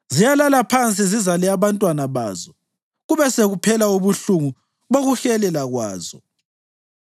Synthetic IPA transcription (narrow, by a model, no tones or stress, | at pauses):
zijalalapʰant͡sʼizizalɛaβantʼwanaβa̰ːzɔ | ɣuβɛseɣupʰɛlauβuɬuŋu | βoɣuɬɛlɛlaɣwa̰ːzɔ